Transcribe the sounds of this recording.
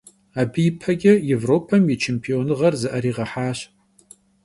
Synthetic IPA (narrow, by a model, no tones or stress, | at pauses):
aːbijpʰɐɡʲɐjevroːpʰɐmjɛt͡ʃʰempʰionɨʁɐrzɐʔɐɾiːʁɐħaːɕ